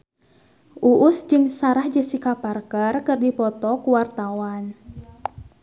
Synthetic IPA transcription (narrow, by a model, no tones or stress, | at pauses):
ʔuʔʊsd͡ʒɨŋsaɾahd͡ʒəsikaparkarkɨrdipɔt̪ɔkuwart̪awan